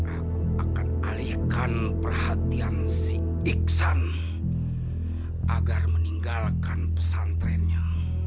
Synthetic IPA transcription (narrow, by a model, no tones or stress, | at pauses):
ʔakuʔakanalihkan | pərhat̪ian | si | iksan | ʔaɡarməniŋɡalkanpəsant̪ɾɛnɲa